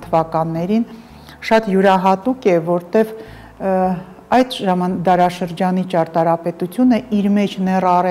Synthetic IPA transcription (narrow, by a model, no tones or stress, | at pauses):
t̪ʰəvɑkɑnːɛɾin | ʃɑt̪juɾɑɦɑt̪ukɛvɔɾt̪ɛv | ɑjd̪ʒɑmɑnd̪ɑɾɑʃəɾd͡ʒɑnit͡ʃʰɑɾt̪ɑɾɑpɛt̪ut͡sʰjunəiɾmɛt͡ʃʰnɛrɑrɛ